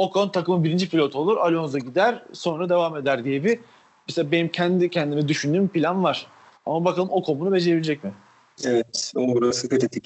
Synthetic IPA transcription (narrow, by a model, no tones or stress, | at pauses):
o̞kʰont̪ʰakɯmɯbiɾind͡ʒipilʲo̞t̪ʰo̞lˠuɾalʲo̞nzaɟid̪æɾ̥so̞nɾad̪e̞vaːme̞d̪æɾd̪ije̞bɪ | mɛselʲabe̞nimcʰɛnd̪icʰɛnd̪imɛd̪yʃynd̪yːmpilʲanvaɾ̥ | a̰mabakʰalˠɯmo̞kʰo̞munube̞d͡ʒeeilʲed͡ʒɛc̚mɪ | evɛt̪ouɾasɯkɯt̪et̪ʰic